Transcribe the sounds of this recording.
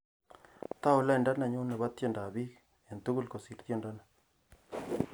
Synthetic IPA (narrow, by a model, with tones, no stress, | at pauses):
t̪a˦ʊ˨la˦i˨nda˦na˨ɲu˦ne˨βa˦t̪je˦˨nda˨bi˦k | e˨nt̪u˦ɡu˦lko˨si˨ɾt̪jo˦nda˦na